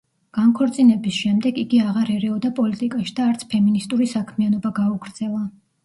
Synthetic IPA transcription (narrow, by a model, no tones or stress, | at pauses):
ɡ̥aŋkʰɔɾt̪sʼinɛbisʃɛmd̪ɛɡiɡiaʁaɾɛɾɛɔd̪apʼɔlit̪ʼikʼaʃi̥d̪aːɾt̪sʰpʰɛminist̪ʼuɾisakʰmianɔbaɡauɡɾd̪z̥ɛlˠa